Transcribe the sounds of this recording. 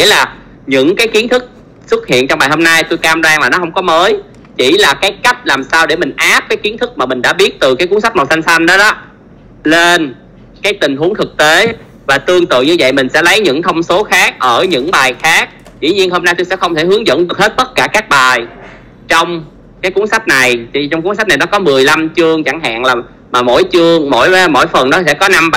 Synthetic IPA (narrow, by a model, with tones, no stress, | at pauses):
ŋḭ˧˥laː˨˩ | ɲɨ̰˧˥ŋkaː˨˦jxi˨˦ənt̪ʰɨ˦˥k̚ | swə˦˥t̚hḭ˧˨ənt͡ɕɔ˧ŋ͡mɓaː˨˩jho˧mna˧jt̪u˧jkaː˧mzaː˧ŋlaː˨˩nɔ˨˦hə˧wŋ͡mkɔ˨˦məː˨˦j | t͡ɕḭ˧˩laː˨˩kaː˨˦jka˦˥jk̟̚laː˨˩msaː˧wɗe˧˩mï˨˩ŋ̟ʔaː˦˥p̚kaː˨˦jxi˨˦ənt̪ʰɨ˦˥k̚maː˨˩mï̟˨˩ɗa̰ː˧˥ɓi˦˥ət̚t̪ɨ˨˩kaː˨˦jku˨˦əŋsa˦˥k̚mɔ˨˩sa˧ŋ̟sa˧jŋɗɔ˨˦ɗɔ˨˦ | le˧n | kaː˨˦jt̪ï˨˩ŋ̟ɦu˨˦əŋt̪ʰɨ˨˩k̚t̪e˨˦ | vaː˨˩t̪ɨ˧əŋt̪ɨ̰˧˨ɲɨ˧və̰˧˨jmï˨˩ŋ̟sɛ̰˧˥lə˨˦jɲɨ̰˧˥ŋt̪ʰə˧wŋ͡mso˨˦xaː˦˥k̚ʔəː˧˩ɲɨ̰˧˥ŋɓaː˨˩jxaː˦˥k̚ | zḭ˧˨ɲi˧ənho˧mna˧t̪u˧sɛ̰˧˥xə˧wŋ͡mt̪ʰe˧˩hɨ˨˦əŋzə̰˧˥nɗɨ˨˩ək̚he˦˥t̚t̪ə˦˥t̚kaː˧˩kaː˦˥k̚ɓaː˨˩j | t͡ɕɔ˧wŋ͡m | kaː˨˦jku˨˦əŋsa˦˥jk̚na˨˩jt͡ɕɔ˧wŋ͡mku˨˦˥ŋsa˦˥na˨˩nɔ˨˦kɔ˨˦mɨ˨˩əjla˧mt͡ɕɨ˧əŋt͡ɕa˧˩ŋɦa̰ː˧˨ŋlaː˨˩ | maː˨˩mo̰˧˥˨jt͡ɕɨ˧əŋmo̰˧˥˩jmo̰˧˥jfə˨˩nɗɔ˨˦sɛ̰˧˥kɔ˨˦na˧mɓ